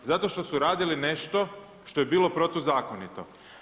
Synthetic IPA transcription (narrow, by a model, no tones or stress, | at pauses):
zat̪o̞ʃt̪o̞suɾaːd̪iline̞ʃt̪o̞ | ʃt̪o̞jebiːlˠo̞pɾo̞t̪ozaːkonit̪o̞̰